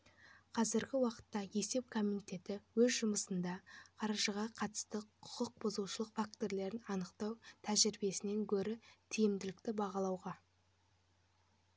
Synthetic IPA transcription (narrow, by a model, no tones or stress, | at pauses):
qʰɑzɪɾɡʲɪwɑqə̥t̪ːɑje̞se̞p̚kʰomint̪ʲe̞t̪ɪwɵzʒʊməsənd̪ɑqʰɑɾɑʒəʁɑqʰɑt̪ə̥st̪əqʰʊ̥qəq̚bʊzuʃəlˠəqfak̚t̪o̞ɾle̞ɾɪnɑnəqt̪ɑwt̪ʰæʒɪɾbe̞sɪne̞ŋkʲʰɵɾɪt̪ʰijɪmd̪ɪlɪk̚t̪ɪbɑʁɑlˠɑwʁɑ